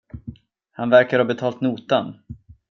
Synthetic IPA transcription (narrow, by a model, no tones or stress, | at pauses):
hanvæɾkaɾhaːbɛt̪ʰɑːlt̪nuːt̪an